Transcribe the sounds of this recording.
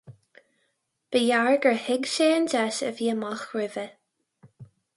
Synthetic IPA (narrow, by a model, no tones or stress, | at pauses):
b̥əjaɹɡəɹhɪɡʃeːnd͡ʒɛʃəviːəmaxɹɪvə